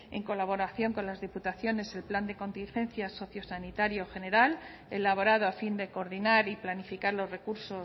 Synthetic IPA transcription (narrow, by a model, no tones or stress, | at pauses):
e̞̰ŋko̞laβ̞o̞ɾaθjo̞ŋko̞nlazðiput̪aθjo̞ne̞se̞lpland̪e̞ko̞nt̪inxẽ̞nθjaso̞θjo̞sanit̪aɾjo̞xe̞ne̞ɾal | e̞laβ̞o̞ɾað̞oafind̪e̞ko̞ːɾðinaɾiplanifikaɾlo̞zre̞kuɾso̞